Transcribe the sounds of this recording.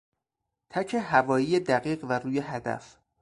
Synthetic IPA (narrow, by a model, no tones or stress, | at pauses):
t̪ʰæcʰeɦævɒːjiːjed̪æɣiːɢvæɾuːjeɦæd̪æ̰f